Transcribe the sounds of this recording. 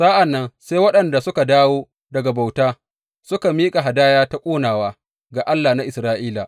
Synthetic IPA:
saː˦ʔa˨nːɐ˦nseː˦jwɐ˦ɗɐ˨nda˨sʊ˦ka˨daː˦woː˦ | dɐ˨ɡa˨ba˨wtaː˦ | sʊ˦ka˨miː˦kʼa˨ɦa˨daː˦jaː˦ta˦kʷʼoː˦naː˨waː˦ | ɡaː˨ʔa˦lːaː˨na˦ʔɪ˨sɾaː˦ʔiː˦la˨ʔ

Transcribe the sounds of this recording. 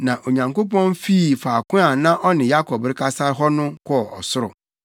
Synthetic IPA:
nã˨ʔo˨ɲã˨ŋko˦pɔ̃˦nfiː˦˨faː˨kʊ̃˦a˨nã˦ʔɔ˦nɪ̃˨ja˦kʰɔ˨bɾɪ˦kʰa˦sa˦ɦɔ˦nʊ̃˦kʰɔ˦ɔ˨ʔɔ̰˨sʊ˦ɾʊ̰˨

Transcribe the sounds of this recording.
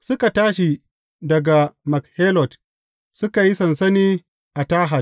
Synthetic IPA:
sʊ˦ka˨taː˦ʃi˨ | dɐ˨ɡa˨mɐ˨khe˦lɔ˨d | sʊ˦ka˨ji˦sɐ˨nsɐ˦niː˦ | ʔa˨taː˦ɦa˨

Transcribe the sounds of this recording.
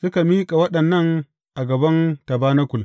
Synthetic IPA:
sʊ˦ka˨miː˦kʼa˨wɐ˦ɗɐ˨nːɐ˦ŋ | ʔa˨ɡɐ˨bɐ˦ntɐ˨baː˦na˦kʷʊ˨l

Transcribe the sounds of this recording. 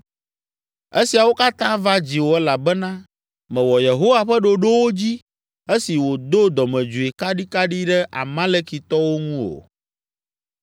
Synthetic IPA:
e˦si˨a˨wo˦ka˦t̪ã˦va˦d͡ʑi˨wo˦ɛ˦la˨bɛ˦nã˦ | mɛ̃˨wɔ˨je˨ɦo˦wa˨ɸɛ˦ɖo˨ɖo˦wo˦d͡ʑi˦ | e˦si˨wo˨d̪o˦d̪ɔ˨mɛ̃˨d͡ʒu˨e˨ka˦ɖi˦ka˦ɖi˦ɖɛ˦ʔa̰˨mã˦le˦ki˨t̪ɔ˦wo˦ŋũ˦o̰˨

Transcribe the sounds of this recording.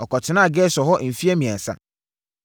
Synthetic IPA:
ɔ˨kɔ˨tʰɪ˨nã˦˨ɡɛ˦sɔ˨ɦɔ˦ʔm̩˨fi˦æ˦mĩ˨ã˨n̩˨sa̰˦

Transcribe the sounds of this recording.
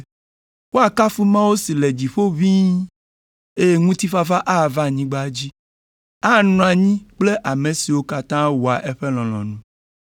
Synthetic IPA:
wo˦a˨ka˦fu˦mã˦wo˦si˨le˨d͡ʑi˨ɸo˦vĩ˦ | e˦je˦ŋũ˦t̪i˦fa˦va˦ʔa˦˨va˦˨ɲĩ˦ɡ͡ba˦d͡ʑi˦ | a˦˨nɔ̃˨a˨ɲĩ˦k͡ple˦ʔa˨mẽ˨si˨wo˦ka˨t̪ã˦wo˨a̰˨ʔe˦ɸe˦lɔ̃˨lɔ̰̃˨nũ˦

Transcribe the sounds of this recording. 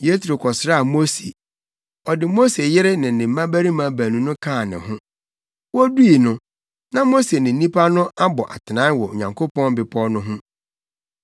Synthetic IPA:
je˦tʰɾo˨kʰɔ˨sɾa˦a˨mo˦se˨ | ɔ˨dɪ˨mo˦se˨jɪ˦ɾɪ˦nɪ̃˨nɪ̃˨m̩˦ã˦bæ˦ɾi˦mã˨bæ˨nũ˨˦nʊ̃˦kʰãː˦˨nɪ̰̃˨ɦʊ̃˦ | wɔ˦du˦i˨nʊ̃˦ | nã˦mo˦se˨nɪ̃˨n̩˦nĩ˦pʰa˦nʊ̃˦ʔa˦bɔ˨ʔa̰˨tʰɪ˨nã˨˦n˦wɔ˨o˨ɲã˨ŋkʰo˦pɔ̃˦n˦bɪ˨pʰɔ˦nʊ̃˦ɦʊ̃˦

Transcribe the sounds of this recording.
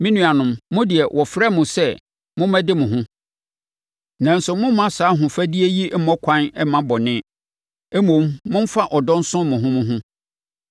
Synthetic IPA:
mĩ˦nũ˨˦a˨nʊ̃˨mːʊ̃˦dɪ˨ɛ˨wʔɔ˨fɾɛ˦mʊ̃˨sɛ˦ | mʊ̃˦mɛ̃˦dɪ˦mʊ̃˨ɦʊ̃˦ | nã˨n̩˦sʊ˨mʊ̃˦m˦mã˦saː˨˦ɦʊ̃˨fæ˦di˦e˦ji˦mɔ̃˦kʷʰã˦nɛ˦mã˦bɔ˨nɪ̃˦ | ɛ˦mõ˨mːʊ̃˦m̩˦fa˦ʔɔ˨dɔ̃˦n̩˦sʊ̃˦mʊ̃˨ɦʊ̃˦mʊ̃˦ɦʊ̃˦

